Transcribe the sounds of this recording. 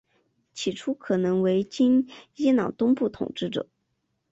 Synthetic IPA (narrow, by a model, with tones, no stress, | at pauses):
t͡ɕʰi˨˩ʈ͡ʂʰu˥kʰɤ˨˩nɤ˧˥ŋwe˧˥ɪt͡ɕi˥ni˥nɑ˨˩ʊt̪ʊ˥ŋpu˥˩t̪ʰʊ̰˨˩ŋʈ͡ʂɻ̩˥˩ʈ͡ʂɤ̰˨˩˦